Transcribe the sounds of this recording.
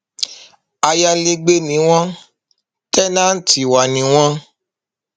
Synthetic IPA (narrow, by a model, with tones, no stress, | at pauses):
a˧ja˧le˧ɡ͡be˧nĩ˨˦w̃ɔ̃˦ | tɛ˦nãː˦n̩˦ti˨wa˨nĩ˨˦w̃ɔ̃˦